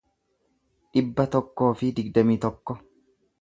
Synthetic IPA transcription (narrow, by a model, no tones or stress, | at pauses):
ᶑɪbːɐt̪ɔkːo̞ːfɪd̪ɪɡd̪ɐmiːt̪ɔkːɔ